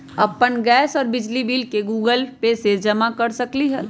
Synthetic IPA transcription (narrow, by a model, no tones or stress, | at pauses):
ɐpːənɡɛːsɔːɾbɪd͡ʒlibiːlkeɡuːɡəlpesed͡ʒɐmakɐɾsɐkliɦɛ